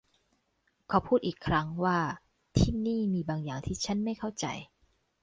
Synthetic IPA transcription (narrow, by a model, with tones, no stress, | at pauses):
kʰa˨˧˩wpʰuː˥˩t̪̚ʔiː˨˩kʰɾa˦˥ŋwaː˥˩ | t̪ʰiː˥˩niː˥˩miː˧baː˧ŋjaː˨˩ŋt̪ʰiː˥˩t͡ɕʰa˦˥nma˥˩jkʰa˥˩wt͡ɕa̰˧j